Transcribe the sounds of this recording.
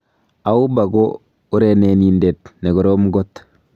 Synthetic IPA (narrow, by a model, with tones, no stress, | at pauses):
a˨u˦ba˨ɡo˦ | u˦ɾe˨ne˨ni˨nde˨tne˨ɡu˨ɾo˦mɡo˦t